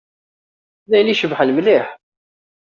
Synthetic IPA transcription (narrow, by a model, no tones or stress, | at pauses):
læjliʃəbħlmliħ